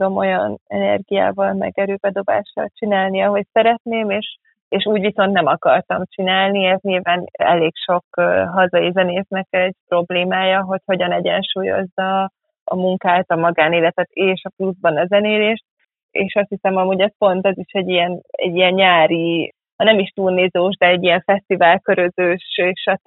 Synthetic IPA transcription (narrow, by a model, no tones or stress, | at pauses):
d̪o̞mo̞jɒnɛ̰nɛ̰rɡija̰ːvɒlmɛ̰ɡɛɾøːbɛd̪o̞ba̰ːʃɒ̰lt͡ʃinaːlniɒɦo̞csɛɾɛt̪neːmeːʃ | eːʃuːɟviso̞nt̪nɛmɒkɒrt̪ɒmt͡ʃinaːlniɛt̪ɲiːlvaːnɛ̰leːkʃo̞kɦɒzɒjizɛneːsnɛkɛɟ̚pɾo̞bleːmaːjɒɦo̞cho̞ɟɒnɛɟɛ̰nʃuːjo̞̰zːɒː | muŋkaːt̪ɒmɒɡaːneːlɛt̪ɛt̪eːʃɒpluzbɒnɒzɛneːleːʃt̪̚ | ḛːʃɒst̪hisɛmɒmuːɟɛspo̞nt̪ɒziʃɛɟijɛnɛ̰ɟːijɛnɲaːɾi | hɒnɛmiʃt̪urniːzoːʒd̪ɛɛɟːijɛɱfɛst̪ivaːlkøɾøzøːʃeʃɒt̪